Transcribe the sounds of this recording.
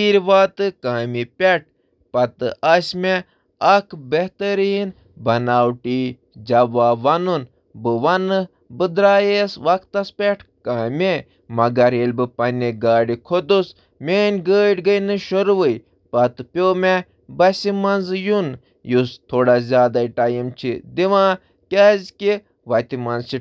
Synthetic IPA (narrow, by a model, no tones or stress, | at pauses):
iːɾʋaːt̪ɨkaːmipʲeʈ̚ | pɐt̪ɨʔɐsʲme | ɐkʰbɐht̪ɐɾiːn | bɐnaːwʈi | d͡ʒɐʋaːʋɐnun | bɨʋɐnɨ | bɨd̪ɾaːjesʋɐkʰt̪ɐspʲɛʈʰkaːmʲe | mɐɡɐɾelʲbɨpɐnʲiɡaːɽikʰod̪us | meːnʲɡəːʈɡəjnɨʃoɾʋɨj | pɐt̪ɨpʲoːme | bɐsʲimɐnzjun | just̪ʰoːɽazʲaːd̪aːiʈajimt͡ʃʰid̪iʋãː | kʲaːzʲki | ʋɐt̪imɐnzt͡ʃi